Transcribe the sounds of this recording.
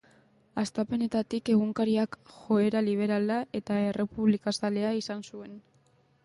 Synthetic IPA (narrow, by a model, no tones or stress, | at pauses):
ast̪ape̞ne̞t̪at̪ike̞ɣ̞uŋkaɾiakxo̞e̞ɾaliβ̞e̞ɾalaʔe̞t̪ae̞re̞puβlikasale̞aisansue̞n